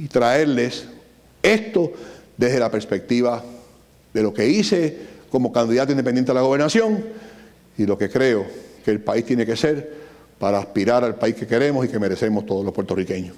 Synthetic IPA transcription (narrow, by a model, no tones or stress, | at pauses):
it̪ɾae̞ɾle̞s | e̞st̪o̞ðe̞ɦðelapeɾspe̞k̚t̪iβa | ðe̞lo̞ke̞ise̞ko̞mo̞kand̪iðat̪oind̪epenent̪eelaɣo̞βeɾnasjo̞ŋ | ilo̞ke̞kɾe̞oke̞ːlpaist̪jeneke̞se̞ɾ | paɾaːspiɾaɾalpaihke̞keɾe̞mosike̞me̞ɾe̞se̞most̪oðolo̞pweɾt̪o̞rike̞ɲo